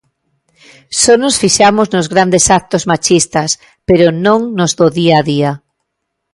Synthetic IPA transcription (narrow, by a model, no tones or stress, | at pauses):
sɔnosfiʃamoznozɣɾand̪esak̚t̪ozmat͡ʃist̪as | peɾʊnõŋnozðoðiaðia